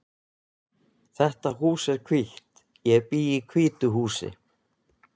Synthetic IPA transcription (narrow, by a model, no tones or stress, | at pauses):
θɛht̪aɦuːsɛɾ̥kʰviht̪ | jɛpiːikʰviːt̪ʏɦuːsɪ̰